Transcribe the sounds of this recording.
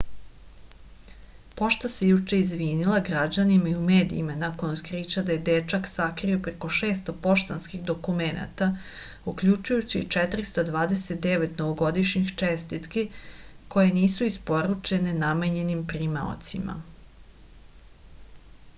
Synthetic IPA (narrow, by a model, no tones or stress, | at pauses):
po̞ʃt̪ase̞jut͡ʃeizʋiːnilˠaɡɾad͡ʑanimaiume̞ːd̪ḭːmanako̞nskɾit͡ɕad̪aje̞d̪et͡ʃaksakɾiopɾeko̞ʃeːst̪o̞po̞ʃt̪anskixd̪o̞kumena̰t̪a | ukʎut͡ʃujut͡ɕit͡ʃɛt̪ɾist̪od̪ʋaːd̪eset̪̚d̪e̞ʋet̪noʋoɡo̞d̪iʃɲixt͡ʃest̪it̪keko̞je̞niːsuispo̞ɾut͡ʃe̞ne̞nameɲe̞nimpɾimao̰t̪sima̰